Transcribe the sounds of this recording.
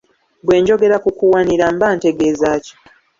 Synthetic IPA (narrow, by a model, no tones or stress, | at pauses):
bwe̞ːɲɟo̞ɡe̞ɾakukuwaniɾambaːnte̞ɡe̞ːzaːci̥